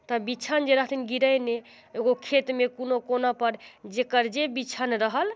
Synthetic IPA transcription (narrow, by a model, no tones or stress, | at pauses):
t̪ɔbit͡ʃʰənd͡ʒeɾəɦət̪ʰinɡiɾəjne | eɡokʰet̪mekonokonapəɾd͡ʒekəɾd͡ʒebit͡ʃʰənɾəɦəl